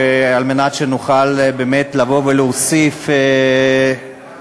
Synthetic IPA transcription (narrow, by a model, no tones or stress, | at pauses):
ealmenatʃenuχalbeːmetlavo̞veleosife